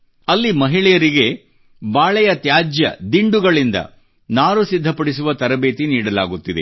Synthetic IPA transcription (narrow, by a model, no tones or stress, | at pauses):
ɐlːimɐɦiɭɛjɐɾiɡe̞ | baːɭɛjɐt̪jaːd͡ʒjɐ̰d̪iɳɖuɡɐɭind̪ɐ̰ | naːɾusid̪ʱːɐpɐɽis̬uʋɐt̪ɐɾɐbe̞ːt̪iniːɽɐla̰ːɡut̪ːid̪ḛ